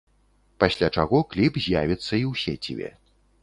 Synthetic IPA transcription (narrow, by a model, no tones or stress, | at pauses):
pasʲlʲat͡ʂaɣɔklʲipzʲjavʲit̪sːɐiwsʲɛt͡sʲabʲɛ̰